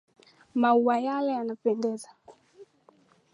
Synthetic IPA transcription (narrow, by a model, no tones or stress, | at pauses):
mauajalɛjanapɛndɛza